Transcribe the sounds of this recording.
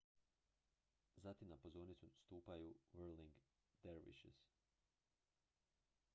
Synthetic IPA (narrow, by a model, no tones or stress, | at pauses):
zat̪imnapozoːɾnit̪sust̪uːpajuʋəɾliŋɡ | d̪eɾʋḭʃḭs